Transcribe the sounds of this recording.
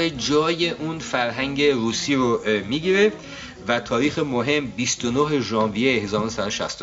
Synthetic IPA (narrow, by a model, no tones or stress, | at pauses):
ed͡ʒɒːjeʔuːnfæɾɦæŋɟe̞ɾuːsiːɾomiːɡeɾeft̪ | væt̪ʰɒːɾiːxemoɦe̞mbist̪onoɦe̞ʒɒːnvijehezɒːɾnosæd̪oʃæ̰st̪o